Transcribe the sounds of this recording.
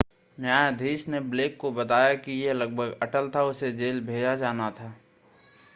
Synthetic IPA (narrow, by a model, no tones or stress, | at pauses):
njaːjd̪ʱiːsnebleːkːobət̪aːjakijeləɡ̚bʱəɡəʈəlt̪ʰaʊsed͡ʒeːlbʱeːd͡ʒad͡ʒaːnat̪ʰaː